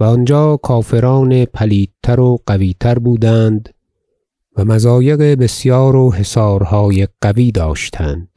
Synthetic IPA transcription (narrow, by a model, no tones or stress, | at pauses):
væɒnd͡ʒɒːkʰɒːfe̞ɾɒːnepʰæliːd̪̚t̪ʰːæɾoɢ̥æviːt̪ʰæɾbuːd̪ænd̪ | væmæzɒːje̞ɣebe̞sjɒːɾoɦe̞sɒːɾhɒːjeɡ̥æviːd̪ɒːʃt̪ʰænd̪̥̚